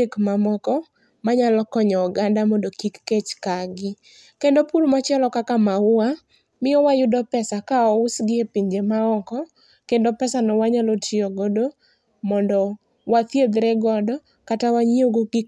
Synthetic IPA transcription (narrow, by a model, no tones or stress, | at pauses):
ekmamɔkɔ | maɲalɔkɔɲɔːɡandamɔndokikːet͡ʃkaɡɪ | kendopulmat͡ʃɪɛlɔkakamaʊa | mɪɔwajʊdɔpɛsakaɔʊsɡɪepiɲd͡ʒemaɔkɔ | kendopɛsanɔwaɲalotʰioɡodo | mɔndɔ | wat̪jed̪ɾɛɡɔdɔ | katawaɲioɡokik